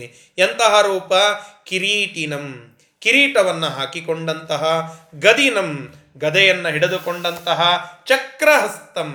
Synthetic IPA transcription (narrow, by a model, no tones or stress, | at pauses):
jɐnt̪ɐɦɐɾuːpɐkiɾiːʈinɐm | kiɾiːʈɐʋɐnːɐɦaːkikoɳɖɐnt̪ɐɦɐɡɐd̪inɐm | ɡɐd̪ɛjɐnːɐɦiɽed̪ukoɳɖɐnt̪ɐɦɐt͡ʃɐkɾɐɦɐst̪ɐm